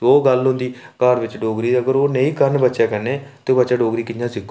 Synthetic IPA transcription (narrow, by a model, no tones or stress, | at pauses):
oːɡəlʊ̃nd̪iːkaːɾʋɪt͡ʃɖoːɡɾiːəɡəɾoːnəĩːkəɾnbətːʃaːkəɾneːt̪eoːbətːʃaːɖoːɡɾiːkɪnãːsɪkː